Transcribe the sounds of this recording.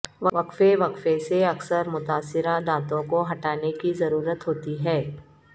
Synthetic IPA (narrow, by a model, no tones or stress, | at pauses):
ʋʋɐkfeʋɐkfeseɐksəɾmʊt̪aːsɪɾad̪ãːt̪õkoɦɐʈaːnekizɐɾuːɾət̪ɦoːt̪iɦɛː